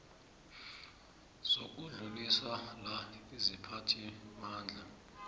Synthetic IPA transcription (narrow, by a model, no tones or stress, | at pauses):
z̥ok̬uɮuliswalaizipʰatʰimaːnd͡ɮʱa